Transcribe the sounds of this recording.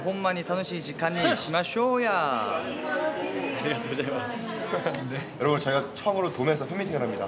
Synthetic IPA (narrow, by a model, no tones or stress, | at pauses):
pomːaɲitʰanoɕʰiiɕʰikanːiɕimaɕoja | aɾiɡatod͡ʑama | nejʌɾʌbɯnt͡ɕʌiɡat͡ɕʰʌŋɯɾotomesʰʌɸjemitʰiɡɯɾɦamɲida